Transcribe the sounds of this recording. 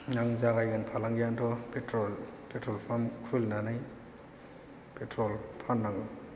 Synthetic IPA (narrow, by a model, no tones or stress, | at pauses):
naŋzaɡajɡanpʰalaŋɡijantʰɔpetɾɔlpʰetɾɔlpʰamkʰulnanaj | petɾɔlpʰanːaŋɔ